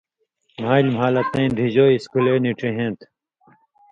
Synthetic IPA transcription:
maːilmɦaːlɐt̪nẽːnd̪ʱid͡ʑoːiskuleːniʈẽɦẽːnt̪ʰ

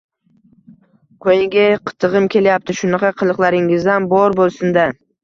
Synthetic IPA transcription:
kʰojɪŋɡʲaqʰɨ̥t̪ʰɨʁɨmkʲʰe̞ljap̚t̪ɪʃʊnɑqʰɑqʰɨlˠɨqlˠaɾɪŋɪzd̪anbɒɾbolˠsʊnd̪a

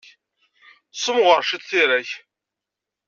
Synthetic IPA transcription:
sˤəmʁəɾˤʃid̪θiɾæç

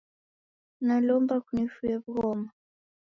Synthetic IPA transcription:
nalɔmbakunifujabuɣɔma

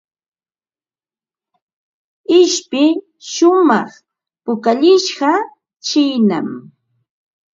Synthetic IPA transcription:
ɪʃpɪ | ʃʊmɑχ | pʊkaʎɪʃɢɑ | t͡ʃɪjna̰m

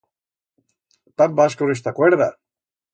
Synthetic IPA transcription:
t̪ambaskoɾes̬t̪akweɾða

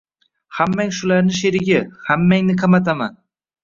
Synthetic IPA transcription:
hamːaŋʃʊlaɾnɪʃ̬eɾɪɡʲahamːaŋnɪqʰɑmat̪ʰama̰n

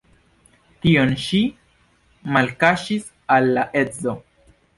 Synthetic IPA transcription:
tio̞nʃi | malkaʃis | alːaʔe̞d͡zo̞

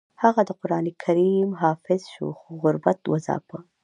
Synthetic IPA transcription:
haɣad̪əqʊɾɑːnekʰaɾimɦɑːfɪzʃo̰xoɣʊɾbat̪wazɑ̰pə

